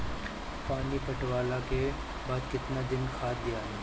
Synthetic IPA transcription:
paːnipɐʈwaːlake | baːd̪kɪt̪nad̪ɪnkʰaːt̪d̪ɪjaɦɛː

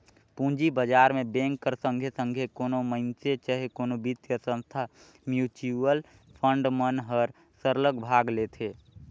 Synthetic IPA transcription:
pũd͡ʒibəd͡ʒaːɾmẽbẽŋkːəɾsə̃ŋɡʱesə̃ŋɡʱekoːnoməɪnset͡ʃəɦekoːnobit̪jəsə̃nst̪ʰa | mjuːt͡ʃuəl | pʰə̃ɳɖmənɦəɾ | səɾləkbʱaːɡlet̪ʰeː

